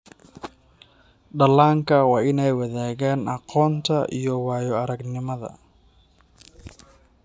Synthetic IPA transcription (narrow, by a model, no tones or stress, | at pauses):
ɖɐlːaːŋkʰɐwɑːɪnɛjwɐðaːɣaːnʔɑqɔːnt̪ʰɐʔḭjɔwɑːjɔɐɾɐɡnɪmɐðɐ̰